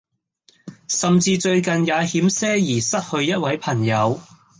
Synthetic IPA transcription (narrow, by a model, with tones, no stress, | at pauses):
sɐ˨mt͡siː˧t͡ʃɵ˧ɥkɐ˨njaː˨˧hiː˨˥msɛː˥jiː˨˩sɐ˥t̚hɵ˧ɥjɐ˥t̚wɐ˨˥jpʰɐ˨˩ŋjɐ˨˧w